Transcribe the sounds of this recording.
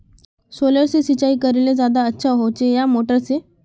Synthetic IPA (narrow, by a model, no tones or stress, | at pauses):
soləɾsisit͡ɕaikəɾeled͡zad̪aətːɕʰaɦot͡ɕejamoʈəɾse